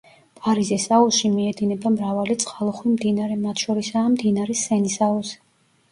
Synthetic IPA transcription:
pʼaɾizisauʃimiɛd̪inɛbamɾavalit̪sʼqʼalˠɔχwimd̪inaɾɛmat̪ʰʃɔɾisaːmd̪inaɾɛsɛnisaɔsɛ

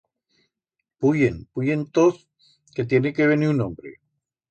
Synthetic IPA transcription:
pujenpujent̪oθ | ket̪̬jenekeβ̞eniunõmbɾḛ

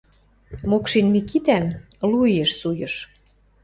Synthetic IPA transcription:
mokʃinmikit̪ænlujĕʃsujɤ̆ʃ

